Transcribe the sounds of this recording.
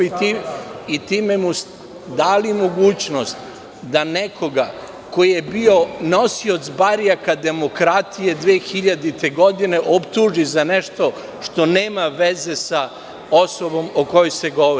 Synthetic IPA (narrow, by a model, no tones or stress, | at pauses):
t̪iit̪iːmemus | d̪aːlimo̞ɡuːt͡ɕno̞st̪ | d̪aneko̞ɡa | ko̞ije̞bio̞no̞sio̞t̪sbaɾijakad̪e̞mo̞kɾat̪ije̞d̪ʋeːxiʎad̪it̪eɡo̞d̪ine̞ʔopt̪uːʒizaneʃt̪o̞ | ʃt̪o̞neːmaʋeze̞sa | osobo̞moko̞jojseɡo̞ʋoi